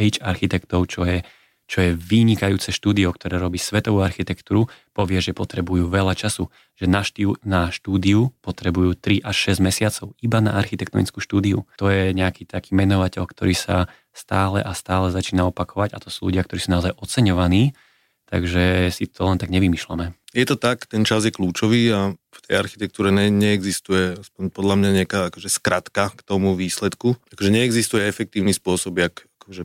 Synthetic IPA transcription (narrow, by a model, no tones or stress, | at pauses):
ɛjt͡ʃaɾxit̪ɛkt̪ɔʊt͡ʃɔjɛ | t͡ʃɔjɛʋiɲikajuːt͡sɛʃt̪uːd̪iɔkt̪ɔɾɛːɾɔbiːsʋɛt̪ɔʋuːaɾxit̪ɛkt̪uːɾupɔʋɪɛʒɛpɔt̪ɾɛbujuːʋɛʎat͡ʃasu | ʒ̥ɛnaʃtiunaʃt̪uːd̪iupɔt̪ɾɛbujuːt̪ɾiʔaʃːɛzɟmɛsɪat͡sɔʊibana̰aɾxit̪ɛkt̪ɔ̰nḭt͡skuːʃt̪uːd̪iṵt̪ɔjɛɲɛakiːt̪ʰakiːmɛnɔʋacɛʎkt̪ɔɾiːsa̰ | st̪aːlɛ̰ʔast̪aːlɛzat͡ʃiːnaɔpakʰɔʋaɟat̪ɔsuːlṵɟɪakt̪ɔɾiːsunaɔzajʔɔt͡sɛɲɔʋaniː | t̪a̰ɡʒɛsit̪ʰɔlɛnt̪aɡɲɛʋimiʃla̰mɛjɛt̪ɔt̪akt̪ɛnt͡ʃazjɛkluːt͡ʃɔʋiːaft̪ɛja̰ɾxit̪ɛk̚t̪uːɾɛɲɛɲɛɛɡzist̪ujɛaspɔɲpɔd̪lamɲaɲɪakaːakɔʒɛskɾat̪kakt̪ɔmuʋiːslɛt̪kuakɔʒɛɲɛɛɡzist̪ujɛɛfɛk̚t̪iːʊnispʊɔsɔbɪakakɔʒɛ